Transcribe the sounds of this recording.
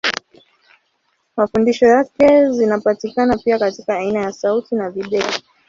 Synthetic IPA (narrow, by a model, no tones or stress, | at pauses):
mafundiʃɔjakɛzinapatikanapiakatikaːinajasautinaviɗɛi